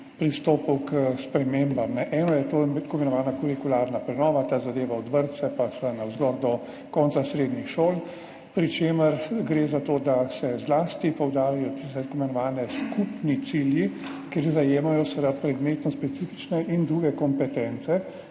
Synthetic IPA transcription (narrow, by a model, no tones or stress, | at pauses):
pɾist̪oːpuwkspɾɛmeːmbamnɛʔɛːnɔjɛt̪oːmɛt̪komɛnɔʋaːnakuɾikulaːɾnapɾɛnɔːʋat̪aːzad̪eːʋaɔd̪ʋəɾt̪sɛpasanawzɡɔɾd̪ɔ | kɔːnsasɾeːd̪nixʃoːl | pɾit͡ʃeːməɾɡɾeːzat̪oːd̪asɛzlaːst̪ipɔwd̪aːɾajɔt̪isɛt̪akomɛnɔʋaːnɛskupnit̪siljikeɾzajeːmajɔsʋɛd̪apɾɛd̪meːt̪nɔspɛt̪siːfit͡ʃnɛʔind̪ɾuːɡɛkɔmpɛt̪ɛnt̪sɛ